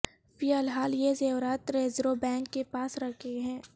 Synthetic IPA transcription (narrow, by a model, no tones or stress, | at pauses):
fijəlɦaːljezeːwɾaːt̪ɾeːzɾobɛ̃ːŋkːepaːsɾɐkʰeɦɛ̃ː